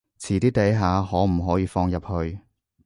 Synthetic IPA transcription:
t͡sʰiː˨˩t̪iː˥t̪e˨˥jɦaː˨˧hɔː˨˥m̩˨˩ɦɔː˨˥jiː˨˧fɔː˧ŋjɐ˨p̚hɵ˧ɥ

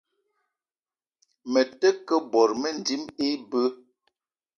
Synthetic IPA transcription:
mə˨tə˦kə˦bɔ˨ɾmə˦n˨di˨˦me˦bə˦

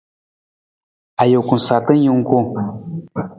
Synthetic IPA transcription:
a˨jo˨ku˨n˨sa˨tə˦n˦ji˦ŋ˦ku˦

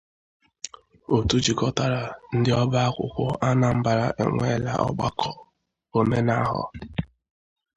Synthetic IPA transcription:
o˨tu˦d͡ʒi˨kɔ˦ta˦ɾa˨n̩˦dɪ˦ɔ˦ba˦a˦kʷʊ̰˨kʷʊ˦ʔa˦na˨m̩˦ba˨ɾa˨ʔḛ˨ŋʷe˦la̰˨ʔɔ̰˦ɡ͡ba̰˦kʰɔ˨ | o˨me˦na˦ɦɔ̰˨

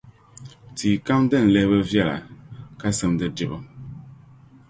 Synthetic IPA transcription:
tiː˨ka˦m˦dɛ˦˨n̩˨lɛ˦bə˦vja˦˨la̰˨ka˦sə˦mdə˦di˨bə˦

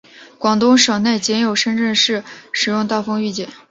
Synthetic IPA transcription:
kwɑ˨˩ŋt̪ʊ˥ŋʂɤ˨˩ŋne˥˩ɪt͡ɕjɛ˧˥njo˨˩ʊʂə˥nʈ͡ʂə˥˧ŋʂɻ̩˥˩ʂɻ̩˨˩jʊ˥˧ŋt̪a˥˩fɤ˥ŋy˥˩t͡ɕjɛ˨˩˦

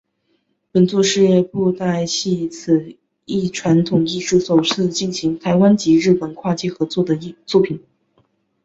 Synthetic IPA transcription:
pə˨˩nt͡swɔ˥˧ʂɻ̩˥˧˥pu˥˧t̪a˥˧ɪɕi˥˧t͡sʰɹ̩˨˩ | i˥˩ʈ͡ʂʰwa˧˥nt̪ʰʊ˨˩ŋi˥˧ʂu˥˩so˨˩ʊʈ͡ʂ̩ʰ˥˧t͡ɕi˥˩nɕi˧˥ŋt̪ʰa˧˥ɪwa˥nt͡ɕi˧˥ɻɻ̩˥˩pə˨˩nkʰwa˥˧t͡ɕjɛ˥˩xɤ˧˥t͡swɔ˥˩d̪ə˩˥˧t͡swɔ˥˩pʰi˨˩˦n

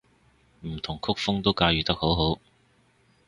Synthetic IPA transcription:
m̩˨˩t̪ʰʊ˨˩ŋkʰʊ˥k̚fʊ˥ŋt̪o˥wkaː˧jyː˨˩t̪ɐ˥k̚ho˨˥wɦo˨˥w

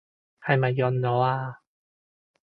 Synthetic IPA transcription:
hʰa˧˩jma˨˩jɔ˧nːɔ˨˧˦a˧

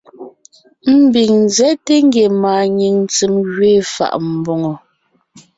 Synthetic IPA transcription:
m̩˦bi˨ŋn˦zɛ˨˦te˦ŋ˦ɡe˨maː˨ɲi˨ŋnt͡si˨mɣɥeː˦˨fa̰˨ʔm̩˨bo˨ŋo˨

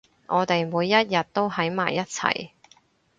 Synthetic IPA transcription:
ʔɔː˨˧t̪e˨jmuː˨˧jːɐ˥t̚jɐ˨t̚t̪ːo˥wɦɐ˨˥jma̰ː˨jːɐ˥t̚t͡sʰɐ̰˨˩j

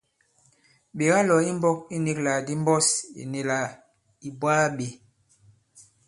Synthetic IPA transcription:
be˨ɣa˦lɔ˨i˦m˦bɔ˦k̚i˦ni˦kla˨di˦m˦bɔ˦sḭ˨ne˨la˨ | i˨bwaː˦ɓe˨

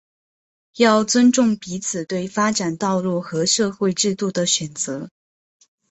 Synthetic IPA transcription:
jɑ˥˩ʊt͡swə˥nʈ͡ʂʊ˥˩ŋpi˧˥t͡sʰɹ̩˨˩t̪we˥˩ɪfa˥ʈ͡ʂa˨˩nt̪ɑ˥˧ʊlu˥˩xɤ˧˥ʂɤ˥˧xwe˥˧ɪʈ͡ʂɻ̩˥˧t̪u˥˩d̪ə˩ɕɥɛ˨˩nt͡sɤ˧˥

